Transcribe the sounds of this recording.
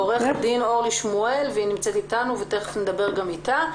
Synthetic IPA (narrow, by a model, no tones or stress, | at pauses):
oʁeχad̪ino̞ʁliʃmue̞lveinimt͡set̪it̪anuvet̪eefned̪abe̞ʁɡamit̪a